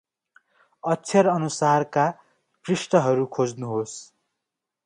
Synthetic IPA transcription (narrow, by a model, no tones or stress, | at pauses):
ʌtːt͡sʰʌɾʌnusarka | prisʈʌɦʌɾukʰod͡znuɦos